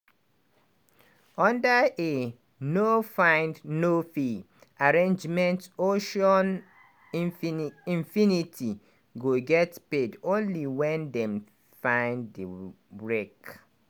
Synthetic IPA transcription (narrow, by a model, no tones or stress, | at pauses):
ɔ̃ndae | nofãɪ̃ndnofi | aɹẽnd͡ʒmɛ̃ntoʃɔ̃n | ĩɱfinitʰi | ɡoɡɛtpedõnliwɛ̃ndɛ̃m | fãɪ̃ndə | bɹek